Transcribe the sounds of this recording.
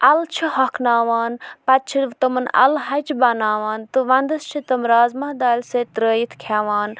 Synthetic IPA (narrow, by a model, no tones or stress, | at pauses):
ɐlt͡ʃʰihɐkʰnaːʋaːnpɐt̪̚t͡ʃʰiʋt̪ɨmɐnɐ̰lɦɐjt͡ʃbɐnaːʋaːnt̪ɨʋɐnd̪ɐst͡ʃʰit̪ɨmɾaːzmɐhd̪aːlʲseːt̪ɾəːjit̪ʰkʰaːʋaːn